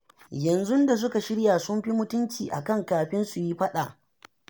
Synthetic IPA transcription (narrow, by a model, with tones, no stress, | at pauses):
jɐ˨nzʊ˦nda˨s̬ʊ˦ka˨ʃɪ˦ɽja˨sʊ˦mɸi˦mʊ˦tʊ˦nt͡ʃiː˨ʔa̰˨kɐ˦˨ŋkaː˨ɸɪ˦nsu˨ji˦ɸɐ˦ɗa˨ʔ